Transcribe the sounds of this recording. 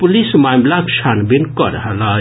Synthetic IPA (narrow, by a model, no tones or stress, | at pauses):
pulismajmlakʃʰanbinkəɾəɦəla